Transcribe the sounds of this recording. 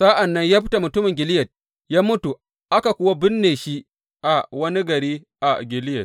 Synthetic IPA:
sa˦ʔa˨nːɐ˦ɲjaː˦ɸɪ˦ta˨mʊ˨tʊ˦mɪ˨ŋɡʲɪ˨lɪ˦jɐ˨t̚ | jaː˦mʊ˦tu˨ | ʔa˦ka˨kʷʊ˦wa˦bɪ˦nːeː˨ʃi˦ | ʔa˨wɐ˦ni˦ɡɐ˨ɾiː˦ | ʔa˨ɡʲɪ˨lɪ˦jɐ˨t̚

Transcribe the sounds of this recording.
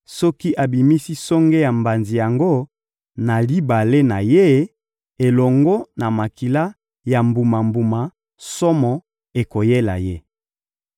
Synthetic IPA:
sɔ˦ki˦ʔa˨bi˨mi˦si˦sɔ˦ŋɡe˦ja˨mba˨nzi˨ja˨ŋɡo˦ | na˨li˦ba˨le˦na˨je˦ | e˨lɔ˨ŋɡɔ˦na˨ma˨ki˨la˦ | ja˨mbu˨ma˨mbu˨ma˨ | sɔ˦mɔ˨ | e˨ko˨je˦la̰˨je˦

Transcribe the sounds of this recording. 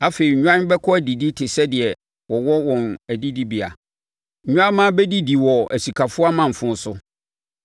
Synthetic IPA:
a˦fe˨i˨ɲ˦ɲᶣũ˦ã˦n˦bɛ˦kʰɔ˦æ˨di˨di˦tʰɪ˨sɛ˦dɪ˨ɛ˨ | wɔ˨wɔ˦wɔ̃˨næ˨di˦di˦bi˨a̰˨ | ɲ̩˦ɲũ˦ã˦mːã˦bɛ˦di˦di˨wɔ˨æ˨si˨kʰa˨fʊ˦a˦mã˨ɱ̩˨fʊ̃˦sʊ˦

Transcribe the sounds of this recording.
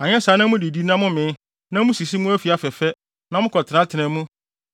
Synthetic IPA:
ã˨ɲɛ̃˦saː˨˦nã˦mũ˦di˨di˦nã˦mʊ̃˦mɪ̃˨˦ | nã˦mũ˦si˨s̬i˦mʊ̃˦æ˦fi˨a˦fɛ˨fɛ˦ | nã˦mʊ̃˦kʰɔ˨tʰɪ˨ã˦tʰɪ˨nɛ̃˨mũ˦

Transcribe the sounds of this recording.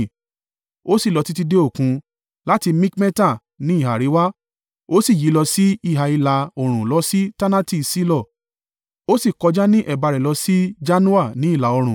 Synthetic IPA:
o˦si˦˨lɔ˧ti˦ti˦de˦o˦˨kũ˨˧ | la˦ti˧mĩ˦kmɛ̃˦ta˦˨ | nĩ˨˦i˦˨ɦa˨ɾi˨˦wa˦ | o˦si˦˨ji˨˦lɔ˧si˦i˦˨ɦa˨i˧la˧o˨ɾ̃ũ˨lɔ˨˧˦si˦ta˦nã˦ti˦˨si˦lɔ˦˨ | o˦si˦˨kɔ˧d͡ʒa˦nĩ˦ʔɛ˦˨ba˧ɾɛ˨lɔ˧si˦d͡ʒa˦nũ˦a˦˨nĩ˨˦i˦˨la˨˦ɔ˧ɾ̃ũ˨

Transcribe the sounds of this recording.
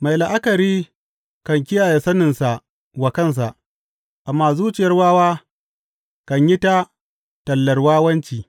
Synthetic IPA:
ma˨jla˨ʔa˦kɐ˨ɾiː˦ | kɐ˨ŋkʲɪ˦jaː˨je˨sɐ˦nɪ˨nsa˨ʔ | wa˨kɐ˦˨ns̬a˨ʔ | ʔa˨mːaː˦˨zuː˦t͡ʃɪ˨jɐ˦rwaː˦waː˦ | kɐ˨ɲji˦ta˦ | tɐ˨lːɐ˨rwaː˦wɐ˦nt͡ʃiː˨

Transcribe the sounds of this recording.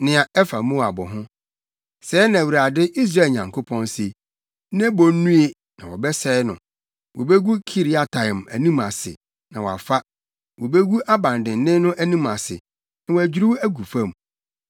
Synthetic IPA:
nɪ̃˨a˨ɛ˦fa˨mũ˦˨a˨bɔ̰˨ɦʊ̃˦ | sɛ˨˦nã˨wu˨ɾa˨dɪ˦ʔi˦s̬ɾa˦˨lɲã˨ŋkʰo˦pʰɔ̃˦nse˦ | ñ˦bɔ˨n˦nũ˦e˨ | nã̰˨wɔ˨bɛ˦sɛː˦nʊ̰̃˨ | wʔɔ˨be˦ɡu˦kʰi˦ɾi˦a˨tʰã˨m˨æ̰˨nĩ˦mã˨sɪ̰˨ | nã˨wɔ˨a̰˨fa˦ | wɔ˨be˦ɡu˦ʔa˦bã˨ndɪ̃˨n˦nɪ̃˦nʊ̃˦ʔæ˦nĩ˦mã˨sɪ̰˨ | nã˨wɔ˨æ˨d͡ʑᶣi˦ɾi˦wæ˦ɡu˨fã˦m˨

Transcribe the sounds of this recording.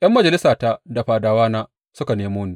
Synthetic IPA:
ʔɐ˦mːɐ˨d͡ʒɐ˨lɪ˦saː˨ta˦da˨ɸaː˨daː˨waː˦naː˦ | sʊ˦ka˨neː˦moː˦neː˦

